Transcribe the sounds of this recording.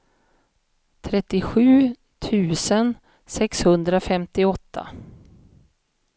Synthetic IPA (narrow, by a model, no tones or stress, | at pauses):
t̪ʰɾɛt̪ːɪɧʉ̟ː | t̪ʰʉ̟ːsən | sɛkshɵnd̪ɾafɛmt̪ɪɔt̪ʰːa̰